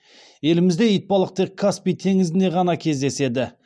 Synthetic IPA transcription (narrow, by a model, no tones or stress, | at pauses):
je̞lɪmɪzd̪e̞ijt̪̚pɑlˠəq̚t̪e̞kʰːaspijt̪ʰe̞ŋɪzɪne̞ʁɑnɑkʲʰe̞zd̪e̞se̞d̪ɪ